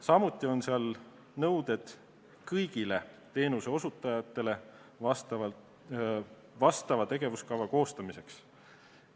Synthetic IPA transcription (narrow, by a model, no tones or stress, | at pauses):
sɑmut̪ːˑio̞nseɑl | nɤwd̪̥e̞d̪̥ | kɤjɡ̥ile̞ | t̪e̞ːnuse̞o̞sut̪ːˑɑjɑt̪ːˑe̞le̞ | ɑst̪ɑɑ | vɑst̪ɑvɑt̪e̞ɡ̥e̞vuskɑvɑko̞ːst̪ɑmise̞ks